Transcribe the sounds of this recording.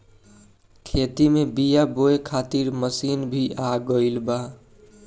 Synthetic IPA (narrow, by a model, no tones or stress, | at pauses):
kʰet̪imebijaboekʰaːt̪iɾməsinbʱiʔaɡəɪlba